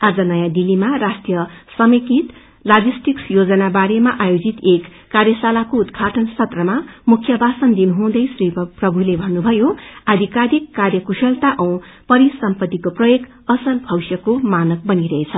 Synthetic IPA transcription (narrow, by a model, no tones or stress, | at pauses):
ad͡zʌnʌjãd̪ilːimarasʈjʌsʌmikit̪ | lad͡zisʈiksjod͡zʌnabaɾemaʔajod͡zit̪ekːarjʌsalakoud̪ɡʱaʈʰʌnsʌt̪rʌmamukʰjʌbʱasʌnd̪inɦũd̪ʌjsriprʌbʱulebʱʌnːubʱʌjoad̪ʱikaɾikːarjʌkusʌlt̪aʔʌw̃ | pʌɾisʌmpʌt̪ːikoprʌjoɡ | ʌsʌnbʰʱʌwsjʌkomanʌk̚bʌniɾʌɦet͡sʰʌ